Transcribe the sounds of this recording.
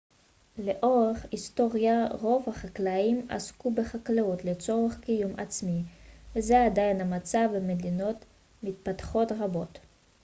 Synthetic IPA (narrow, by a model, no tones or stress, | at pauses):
leʔoʁeχist̪o̞ʁjaʁo̞vhaχaklaima̰skubeχaklaut̪let͡so̞ʁeχkijuma̰t͡smivezeadajinhamat͡savemed̪ino̞t | mit̪̚pat̪χo̞tʁabo̞t